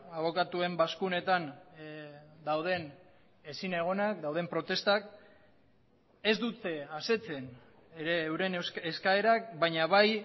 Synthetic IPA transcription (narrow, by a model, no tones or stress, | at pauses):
aβo̞kat̪ue̞mbaskune̞t̪an | d̪awð̞e̞n | e̞sine̞ɣ̞o̞nakd̪awð̞e̞mpɾo̞t̪e̞st̪ak | ezd̪ut̪e̞ase̞t͡se̞n | eɾe̞ːwɾe̞neskae̞ɾak̚bajɲaβaj